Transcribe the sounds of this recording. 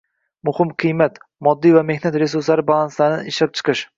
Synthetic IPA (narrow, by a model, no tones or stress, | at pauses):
mʊhɪmqʰɨjmat̪mɒd̪ːijvame̞hnat̪ɾe̞s̬uɾslaɾɪbalˠanslanɪɪʃɑq̚t͡ʃʰɨ̥qʰɨʃ